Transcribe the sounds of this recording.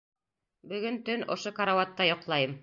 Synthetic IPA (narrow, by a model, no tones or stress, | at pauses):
bɵ̆ɡɵnt̪ɵnʔŏ̰ʃokɐɾawat̪ːɑjŏqlˠɑjɤm